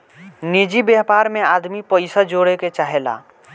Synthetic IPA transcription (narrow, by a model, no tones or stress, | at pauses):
ned͡ʒibjɛːpaːɾmẽaːd̪mipəɪsad͡ʒoːɽeket͡ʃaːɦela̰ː